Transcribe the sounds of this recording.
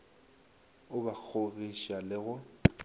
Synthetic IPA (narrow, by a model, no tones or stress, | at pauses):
ʊbak͡xʰoviʃalɪɣʊ